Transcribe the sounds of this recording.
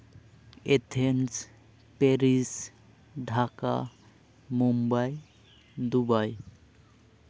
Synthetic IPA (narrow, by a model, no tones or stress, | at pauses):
et̪ʰens | peɾis | ɖʱaka̰ | mumbaj | d̪ubaj